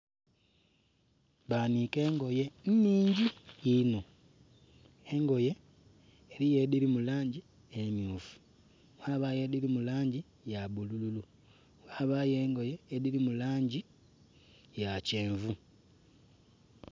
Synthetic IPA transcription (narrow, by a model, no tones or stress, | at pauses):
βanike̞ːŋɡo̞je̞n̩niːɲɟiino | e̞ŋɡo̞je̞ː | ɾije̞ðiɾimulaːɲɟi | emjuːfu̥ | waːβaje̞ðiɾimulaːɲɟi | jaβulululu | waβaje̞ːŋɡo̞jeːðiɾimulaːɲɟi | jace̞ːɱvu